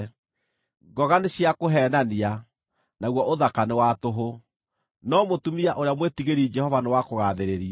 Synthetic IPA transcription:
ɡɔɣaneɕjakoɦɛnania | naɣwɔʔoðakanewatoɦo | nɔmotumiaʔoɾeamwetiɣeɾid͡ʒɛhɔvanewakoɣaðeɾeɾia

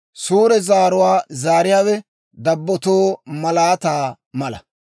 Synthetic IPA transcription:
suːɾɛzaːɾʊwaːzaːɾɪjaːwɛ | d̪ɐbːɔt̪oːmɐlaːt̪aː | mɐlɐ̰

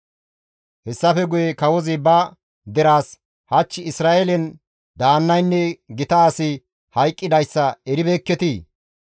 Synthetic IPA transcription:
hɛsːɐfɛɡʊjɛkɐwɔzɪbɐ | d̪ɛɾaːs | hɐt͡ʃːɪɪsɾaːʔelɛn | d̪aːnːɐjnːɛɡɪt̪ɐaːsɪ | hɐjkʼːɪd̪ɐjsːɐɛɾɪbeːkːɛt̪iː

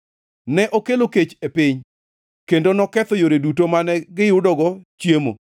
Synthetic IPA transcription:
nɛʔokeloket͡ʃepɪɲ | kendonɔkɛt̪ɔjoɾedutomanɛɡɪjʊdɔɡɔt͡ʃjemo̰

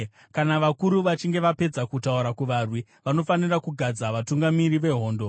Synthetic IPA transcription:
kanaʋakuɾuʋat͡ʃiŋɡe̞ʋape̞d͡zakutauɾakuʋarwi | ʋano̞fanirakuɡʱad͡zaʋatuŋɡamiɾiʋe̞ɦo̞ːndo̞

